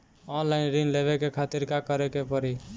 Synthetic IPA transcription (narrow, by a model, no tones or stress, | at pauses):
ɔnlainɾinleβekekʰat̪iɾkakəɾekepɔɾi